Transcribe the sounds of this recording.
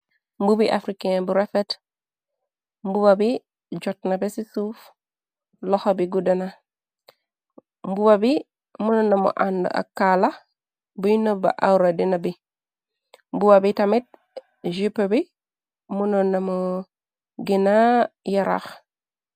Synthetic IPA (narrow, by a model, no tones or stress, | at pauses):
mbubiʔa̰fɾikebuɾefet | mbubabi | d͡ʒɔt̚nabesisuf | lɔxobiɡudana | mbubabi | munonːamo̰ʔando̰ʔa̰kːala | bujnoba̰ʔawuɾadinabi | mbubabitamit̚ | ʒipebi | munonːamo | ɡinajaɾa̰x